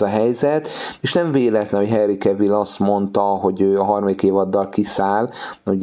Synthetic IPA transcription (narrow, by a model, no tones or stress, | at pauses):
ɒɦɛjzɛt̪eːʃnɛɱveːlɛt̪lɛnɦocɦɛrikɛvilɒst̪mo̞nt̪ɒɦo̞ɟøːɒɦɒrmɒd̪ikeːvɒd̪ːɒlkisaːlo